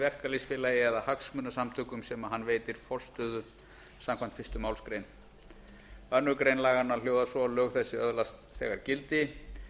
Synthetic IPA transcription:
vɛr̥kalisfɪːlajɪɛðahaksmʏːnasamt̪ʰʏːkʏmsɛmaɦanːveːjt̪ɪɾ̥fɔl̥st̪ʏːðʏ | samkʰvan̥t̪fɪst̪ʏmaːwlskɾejn | œnːʏkɾejnlaːɣanːḁl̥joːwðasɔlœːɣθɛsːɪœðlast̪θɛ̰ːɣaɾ̥cɪlt̪ɪ

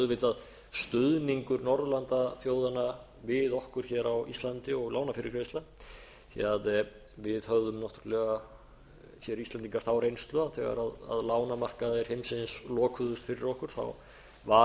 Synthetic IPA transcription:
ðvɪt̪að | st̪ʏðniŋkʏɾnɔɾðlant̪aθjoːwðana | vɪðɔhkʏɾ̥çɛːɾawḭst̪lant̪ɪɔɣlaːwnafɪɾɪɾkʰɾest̪la | θḭað | vɪðhœvðʏmnɔht̪ʰʏ̥ɾlɛɣa | çjɛɾist̪laniŋkaɾ̥θawrejnst̪lʏaθɛɣa̰ɾaða̰ðlaːwnamar̥kaðɛɾ̥hemsɪnslɔːkʰvʏðʏst̪fɪɾɪɾɔhkʏɾ̥θa̰w | va

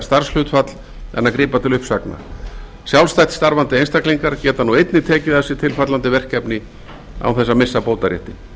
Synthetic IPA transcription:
st̪aɾ̥sl̥ʏt̪fat̪l̥ | ɛ̰nːakɾiːpat̪ʰɪlʏhpsakna̰ | sjawlst̪ajt̪st̪aɾvant̪ɪejnst̪akliŋkaɾcɛːt̪anuejt̪nɪt̪ʰɛːcɪðɛsɪt̪ʰɪlfat̪lant̪ɪvɛr̥cɛpnɪ | a̰wθɛsːamɪsːapowt̪aɾjɛ̰ht̪ɪ

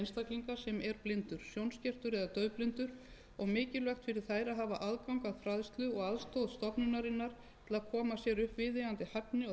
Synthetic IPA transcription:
nst̪akliŋkasɛmɛɾplɪnt̪ʏɾ̥sjownscɛr̥t̪ʏɾɛðat̪œːɥplɪnt̪ʏɾ | ɔɣmɪːcɪlvɛxt̪fɪɾɪɾ̥θaːjɾaðɦaːvaʔaðkawŋkaðfɾaðst̪lʏɔɣaðst̪owðst̪ɔpnʏnaɾɪnːaɾ̥ | t̪ʰɪlaðkʰɔːmasjɛɾʏhpvɪðɪant̪ɪhapnɪ

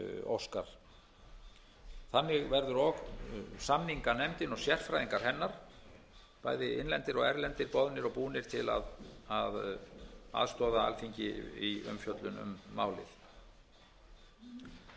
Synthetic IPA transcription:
o̰wskaɾ̥ | θanːɪɣvɛɾðʏɾɔɣsamniŋkanɛmt̪ɪnɔɣsjɛr̥fɾajðiŋkaɾ̥hɦɛnːaɾ̥ | paːjðɪɪnlɛnt̪ɪɾɔɣɛɾlɛnt̪ɪɾpɔðnɪɾɔpuːnɪɾ̥t̪ʰɪla̰ðað | a̰ðst̪ɔːðaa̰lfiɲcɪ̰iʏ̰mfjœt̪lʏnʏ̰mːa̰ːwlɪ̰θ

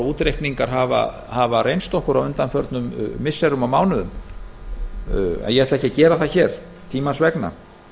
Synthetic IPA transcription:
uːt̪ɾejhkniŋkaɾ̥ɦava̰ | havarejnst̪ɔhkʏɾawʏnt̪anfœɾt̪nʏmːɪsːɛɾʏmawmaːwnʏðʏm | ɛ̰njɛhɛɾt̪lɛhcɪcɛːɾaθaçɛɾ̥ | t̪ʰiːmansvɛkna̰

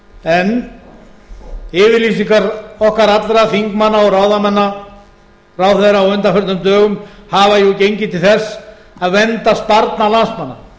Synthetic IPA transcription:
ɛn | ɪːvɪɾlisiŋkaɾɔhkaɾat̪lɾaθiŋkmanːaɔɣraːwðamɛnːa | rawθɛɾaɔwʏnt̪afœɾt̪ʏmt̪œːɣʏmhaːvajucejɲcɪt̪ʰɪlθɛsː | aðvɛnt̪aspaɾt̪nalansmanːa

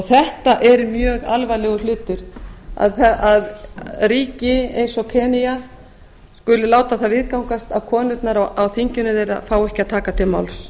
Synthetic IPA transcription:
ɔθɛht̪aʔɛɾmjœːɣalvajlɛɣʏlʏːt̪ʏɾ̥a̰ðɛaðriːcɪejnsɔkʰɛːnija | skʏlɪlaːwt̪aθavɪðkawŋkast̪aðkʰɔːnʏt̪naɾaawθiɲcʏnʏðeːjɾa̰faːwɛhcɪaðt̪ʰaːkat̪ʰɪlma̰wls

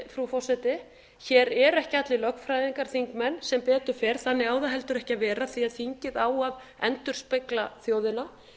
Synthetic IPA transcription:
fɾufɔrsɛt̪ɪ | çɛːɾɛɾɛhcɪat̪lɪlœkfɾajðiŋkaɾ̥θiŋkmɛnːsɛmpɛːt̪ʏɾ̥fɛːɾ̥θanːɪɣaːwðaɦɛl̪t̪ʏɾɛhcavɛːɾaθiaðθiɲcɪðaːwað | ɛ̰nt̪ʏɾ̥spɪklaθjoːwðɪna

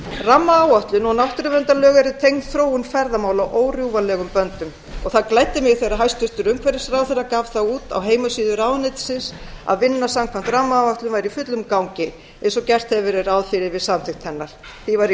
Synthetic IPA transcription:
ramːaːwaht̪lʏnɔnawht̪ʏɾʏvɛnt̪alœːɣɛɾɪt̪ʰejŋnθɾoːwʏnfɛɾðamaːwlawʔoːwrjuwvalɛːɣʏmpœnt̪ʏm | ɔɣθaðklajt̪ːɪmjɪɣθejraɦajst̪ʏst̪ʏɾʏmkʰvɛɾɪsɾawθejrːakaːvθaɣuːt̪a̰wɦeːjmasiːðʏɾaːwðnejt̪sɪnsa̰ðvɪnːasamkʰvan̥t̪ramːaːwaht̪lʏmvajɾifʏt̪lʏmkawŋcɪ | ɛnsɔcɛr̥t̪hɛvɪɾɪɾaːwðfɪɾɪvɪðsamθɪht̪hɛnːaɾ̥θivaɾ

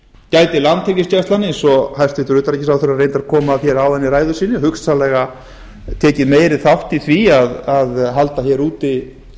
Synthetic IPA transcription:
caːjt̪ɪlant̪ʰɛcɪscajst̪lanːɪɛnsɔhajst̪vɪht̪ʏɾʏːt̪aɾɛcɪsawθʏɾarejnt̪aɾkʰɔːmaθçjɛɾawðɛnːɪɾaːjðʏsiːnːʏhʏksalɛɣa | t̪ʰɛːcɪmeːjɾɪθawht̪iθviaðaðɦal̪t̪açɛɾuːt̪ɪ

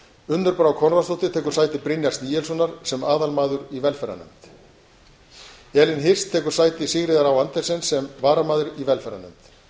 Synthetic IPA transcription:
ʏnt̪ʏɾpɾawkʰɔnvast̪owht̪ɪt̪ʰɛːkʏ̥ɾ̥saːjt̪ɪpɾɪnjast̪niːjɛls̬ɔnaɾ̥sɛmaːðalmaːðʏɾivɛlfɛɾa̰nʏ̰mt̪ | ɛlɪnɦɪr̥st̪ʰːɛːkʏɾ̥saːjt̪ɪsɪɣɾɪðaɾawant̪ɛ̥sɛnsɛmvaːɾamaːðʏɾivɛlfɛɾa̰nʏmt̪

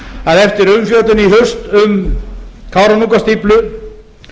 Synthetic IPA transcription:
aðɛft̪ɪɾʏmfjœːt̪ʏniɦʏst̪ʏm | kʰawɾanuŋk̬ast̪iplʏ

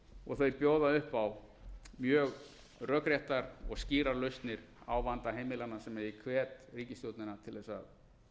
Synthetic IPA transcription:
ɔɣθœɥpjoːwðaʏhpaw | mjœːɣ | rœkɾjajht̪aɾɔɣsciːɾaɾlœɥst̪nɪɾ̥ | a̰ːwvant̪aɦejmɪlanːasɛmɛðikʰvɛːt̪riːcɪst̪jowt̪nɪnat̪ʰɪlðɛsa̰ð

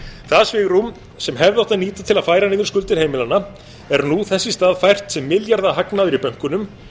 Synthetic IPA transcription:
θaðsvɪːɣɾum | sɛmɦɛvðɪawht̪aðniːt̪at̪ʰɪlaðfaːjɾanɪːðʏɾskʏlt̪ɪɾ̥heːjmɪlana | ɛɾnuθɛsːɪst̪aːðfajr̥t̪sɛmːɪljaɾðaɦaknaðʏɾipœŋ̥kʏnʏm

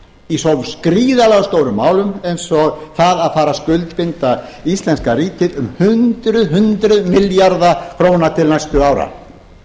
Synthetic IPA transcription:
isɔvskɾiːðalɛɣst̪oːwɾʏmːaːwlʏmejnsɔɣθaðaðfaːɾaskʏlt̪pɪnt̪aist̪lɛnskaɾiːt̪ɪðʏmhʏnt̪ɾʏðɦʏnt̪ɾʏðmɪljaɾðakʰɾoːwnat̪ʰɪlnajst̪ʏaːwɾa̰

